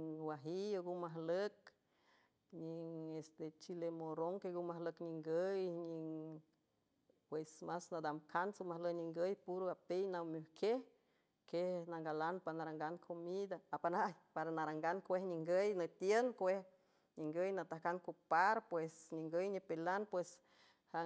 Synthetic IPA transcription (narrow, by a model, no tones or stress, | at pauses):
ɲŋwaɦioɡumaɦlək̚ | ɲiŋest̪et͡ʃilemoɾoŋkeɡumaɦləkɲiŋɡəjɲiŋ | pwesmasnad̪amkʰansomahləjɲiŋɡəjpuɾoapejnawmuhkʰeh | kehnaŋɡalanpanaɾaŋɡankʰomid̪aːpanajpaɾanaɾaŋɡankʷehɲiŋɡəjnət̪jenkʷeh | ɲiŋɡəjnat̪ahkankupaɾpwesɲiŋɡəjɲipelanpwes | ha